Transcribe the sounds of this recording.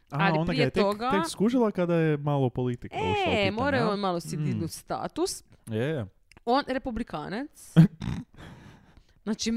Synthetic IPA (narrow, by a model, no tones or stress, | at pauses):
aaliond̪aɾiɡaejet̪eoɡaekskuʒilˠakad̪ajemalopolit̪ikemoɾajoonmalˠosid̪inust̪a̰ːt̪use | onɾepublika̰ːnat̪s | nat͡ʃi